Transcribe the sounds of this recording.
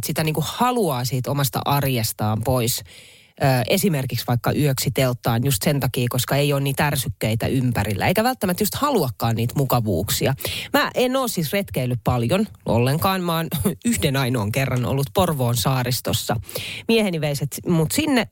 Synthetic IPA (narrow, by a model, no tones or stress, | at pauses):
t̪sit̪æniːŋkuhhɑluɑːsiːt̪omɑst̪ɑ̰ʔɑrjest̪ɑːmpois | øːʔesimerkiksʋɑikːɑʔyøksit̪elt̪ːˑɑːnjust̪sent̪ɑkiːkoskɑejoːnniːt̪ærsykːeit̪æ̰ʔympæɾilːʔæ̰eikæʋælt̪ːæmæt̪just̪hɑluɑkːɑːnniːt̪mukɑʋṵːksiɑmæʔenoːsːisret̪keilːyppɑljonʔo̰lːeŋkɑːnmɑːnyhdenɑinoːŋkerːɑno̰lːut̪̚porʋoːnsɑːɾist̪osːɑmieheniʋeiset̪mut̪sinːe